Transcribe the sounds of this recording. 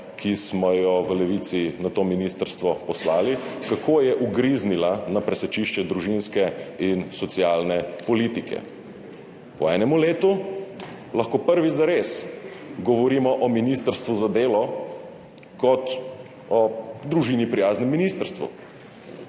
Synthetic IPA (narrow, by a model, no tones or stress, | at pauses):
kʰismɔjɔʋəlɛʋit̪sinat̪oːminist̪əɾst̪ʋɔpɔslaːlikakʰoːjɛʔuɡɾiznilanapɾɛsɛt͡ʃiʃt͡ʃɛd̪ɾuʒinskɛinsɔt̪sjaːlnɛpɔliːt̪ikʰɛ̰ | pɔɛːnɛmuleːt̪u | laxkoːpəɾʋizaɾesɡɔʋɔɾiːmɔʔɔminist̪əɾst̪ʋuzad̪eːlɔ | kɔt̪ | ɔd̪ɾuʒiːnipɾijaːznɛmːinist̪əɾst̪ʋṵ